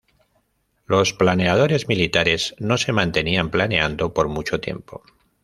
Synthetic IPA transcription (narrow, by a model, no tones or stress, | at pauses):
lo̞splane̞að̞o̞ɾe̞zmilit̪aɾe̞zno̞se̞mãnt̪e̞niamplane̞and̪o̞po̞ɾmut͡ʃo̞t̪je̞̰mpo̞̰